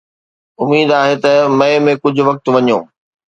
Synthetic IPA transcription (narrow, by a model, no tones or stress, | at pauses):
ʊmiːd̪aːɦet̪ɐmɐemẽkʊd͡ʑʱʊ̆ʋɐk̚t̪ʋɐɲõː